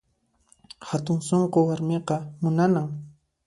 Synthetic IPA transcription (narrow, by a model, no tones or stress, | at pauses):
hat̪ʊŋsoɴqowaɾmeqɑmʊnanaŋ